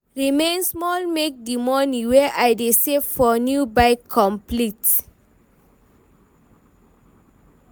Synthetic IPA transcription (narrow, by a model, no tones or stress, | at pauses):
ɹimẽnsmɔlmek̚dimɔnĩwɛʔajdesefɔnjubaɪkʰːɔ̃mplit